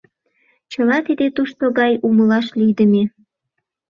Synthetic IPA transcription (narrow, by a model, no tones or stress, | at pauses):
t͡ɕəlɑt̪id̪et̪uʃt̪oɣɑjuməlɑʃlijd̪əme